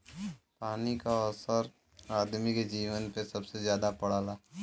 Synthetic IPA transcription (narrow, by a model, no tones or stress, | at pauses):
paːnikaɔsəɾ | aːd̪miked͡ʒiːʋənpesɐbsezjaːd̪apɐɽ̤aːlaː